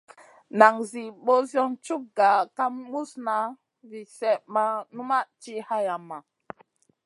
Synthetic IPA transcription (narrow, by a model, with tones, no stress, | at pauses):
na˨ŋzi˨ɓo˦zjɔ˦nt͡ʃu˦k̚ɡa˨ka˦mmu˦sna˦ | vi˨sɛ˨ʔma˦nu˦ma˦t͡ʃi˦ha˦ja˨mːa˨